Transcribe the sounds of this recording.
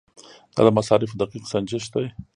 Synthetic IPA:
d̪̥ɑ̰ːd̪əmasɑɾɪfd̪aqiqsand͡ʒɪʃt̪aj

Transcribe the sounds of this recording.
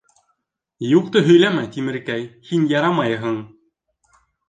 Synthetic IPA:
juq̚t̪ɤɦɵ̆jlæmæt̪imɘ̆ɾkæjhinjɑɾɑmɑjɦɤɴ

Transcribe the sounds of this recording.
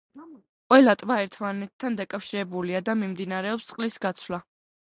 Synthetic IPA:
qʼwɛlat̪ʼvaɛɾt̪ʰmanɛt̪ʰːand̪akʼafʃiɾɛbuliad̪amimd̪inaɾɛɔpst̪sʼqʼlisɡat̪sʰla

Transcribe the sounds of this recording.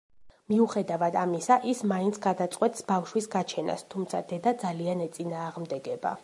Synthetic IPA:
miuχɛd̪avad̪amisaʔismaint̪sʰɡ̥ad̪at̪sʼqʼwɛt̪ʼsbafʃwisɡat͡ʃʰɛna̰st̪ʰumt̪sʰa̰d̪ɛd̪ad̪zalianɛt̪sʼinaːʁmd̪ɛɡɛba̰

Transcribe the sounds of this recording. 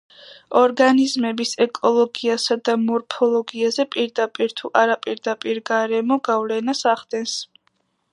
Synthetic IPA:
ɔɾɡanizmɛbisɛkʼɔlˠɔɡiasad̪amɔɾpʰɔlˠɔɡiazɛpʼiɾd̪apʼiɾt̪ʰuʔaɾapʼiɾd̪apʼiɾɡaɾɛmɔɡavlɛnasaχd̪ɛns

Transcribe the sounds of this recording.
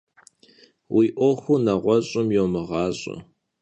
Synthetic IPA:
wʔiːʔʷɔxʷunɐʁʷɔɕʼʊmjoːmɨʁɑːɕʼʊ̰

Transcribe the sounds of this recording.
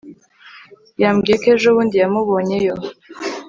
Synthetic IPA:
jamɡiekeʒoβuːndijamuβo̞ːɲe̞jo̞

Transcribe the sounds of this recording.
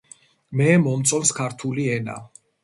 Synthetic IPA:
mɛmɔmt̪sʼɔmskʰaɾt̪ʰuliɛna̰

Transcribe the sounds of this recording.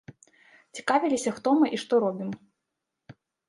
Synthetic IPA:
t͡sʲi̥kavʲilʲisʲɐxt̪ɔmɨʔiʂt̪ɔɾɔbʲim

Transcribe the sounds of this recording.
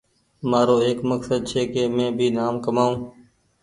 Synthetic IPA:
maːɾoːeːkməksəd̪̚t͡ʃʰeːkeːmẽːbʱiːnaːmkəmaːũː

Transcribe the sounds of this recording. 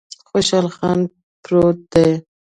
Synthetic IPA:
xoʃɑlxɑn | pɾot̪̚d̪aj

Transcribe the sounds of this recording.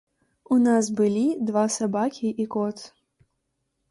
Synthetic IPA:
unasbɨlʲid̪vasabakʲiʔikɔt̪

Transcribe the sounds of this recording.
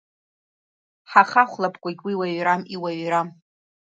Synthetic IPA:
ħaχaχʷlapʰkʷʼaɡʲwiwaɥɾamiwaɥram

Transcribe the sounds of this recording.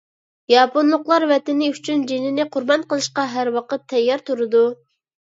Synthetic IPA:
jɑponlˠʊqlˠɑɾvɛt̪ɪnɪyt͡ʃʰynd͡ʒenɪnɪqʰʊɾbɑnqəlˠɨʃqɑɦæɾwɑqət̪ʰːɛjːɑɾt̪uɾɨd̪u

